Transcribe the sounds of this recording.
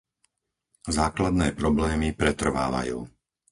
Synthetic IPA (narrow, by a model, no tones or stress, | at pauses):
zaːklad̪nɛːpɾɔblɛːmipɾɛt̪r̩ʋa̰ːʋa̰jṵː